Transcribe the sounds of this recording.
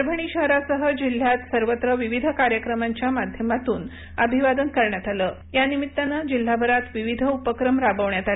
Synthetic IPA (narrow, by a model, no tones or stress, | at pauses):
ɾbʱəɳ̃iɕəɦɾasəɦəd͡ʑil̤ːjat̪səɾʋət̪ɾəʋiʋid̪ʱəkaɾjəkɾəmaɲt͡ɕjamad̪ʱjəmat̪uːn | əbʱiʋad̪ənkəɾɳjat̪aləː | janimit̪ːanəd͡ʑil̤ːabʱəɾat̪ʋiʋid̪ʱəupəkɾəmɾabəʋɳjat̪a